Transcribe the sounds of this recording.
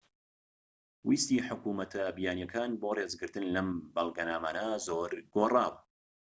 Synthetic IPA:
wist̪iːħʊkuːmɐt̪ʰɐbijaːnjɛkʰaːnboːreːzɡɨɾt̪ɨnlɐmbɐlˠɡɐnaːmaːnɐzoːɾɡoːraːwɐ

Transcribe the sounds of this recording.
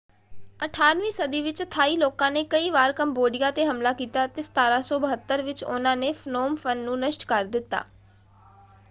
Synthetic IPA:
əʈʰaːnʋiːsəd̪iːʋɪt͡ʃt̪ʰaːiːloːkãːneːkəiːʋaːɾkəmboːɖɪjãːt̪eːɦəmlaːkiːt̪aːt̪eːsə̥t̪aːɾaːsɔːbəɦət̪ːəɾʋɪt͡ʃʊ̰nãːneːfʰnoːmfʰənːũːnəʃʈkəɾd̪ɪt̪ːa̰ː

